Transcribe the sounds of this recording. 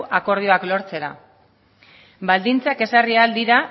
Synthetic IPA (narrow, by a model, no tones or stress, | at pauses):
ʔako̞ɾð̞io̞aklo̞ɾt͡se̞ɾa̰ | bald̪int͡sake̞sarieald̪iɾa